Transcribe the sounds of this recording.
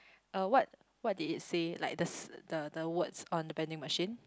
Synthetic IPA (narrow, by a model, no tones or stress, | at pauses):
awɔt̚ | wɔt̚diditsela̰ɪk̚dəsdədəwətsɔ̃ndəbɛ̃ndɪ̃ŋməʃĩn